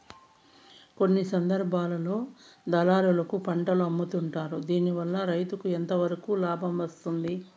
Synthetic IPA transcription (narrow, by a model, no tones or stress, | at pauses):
ko̞nːisɐnd̪ɐɾbʱaːlɐlo̞ːd̪ɐlaːɾulɐkupɐɳʈɐluɐmːut̪uɳʈaːɾud̪iːniʋɐlːɐɾɐjt̪ukuent̪ɐʋɐɾɐkuːlaːbʱɐmʋɐst̪und̪i